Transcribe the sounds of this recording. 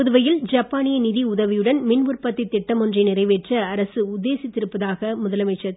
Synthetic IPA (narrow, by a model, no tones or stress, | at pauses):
ʊðɯʋɐjɪld͡ʒɐpːaːnɪjɐnɪðiʊðɐʋɪjɯɽɐnmɪnʋɯrpɐt̪ːɐɪt̪ːɪʈːɐmɔndrɐɪnɪrɐɪʋeːʈrɐɐɾɐsɯʊd̪ːeːsɪt̪ːɪɾɯpːɐðaːɣɐmʊðɐlɐmɐɪt͡ʃːɐ